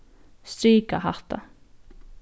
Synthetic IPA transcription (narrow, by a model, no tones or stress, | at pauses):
st̪ɾiːkaɦaht̪a̰